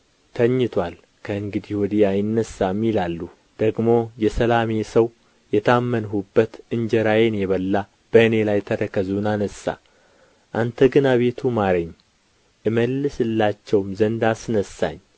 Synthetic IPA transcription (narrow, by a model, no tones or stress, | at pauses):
t̪ʰəɲːɪt̪ʰwal | kʰəɨŋɡɨd̪ihwɔd̪iajɪnːəsːamːilalːu | d̪̥əɡmo̞jɛsəlame̞səw | jɛt̪ʰamːənɦubːət̪ɨɲd͡ʒɛɾajenjɛβəlːa | b̥əɨne̞lajt̪ʰəɾəkəzunanəsːa̰ | ʔant̪ʰəɡɨnaβe̞t̪ʰumaɾəɲː | ʔɨməlːɨsɨlːat͡ʃːɛwmzənd̪asnəsːa̰ɲː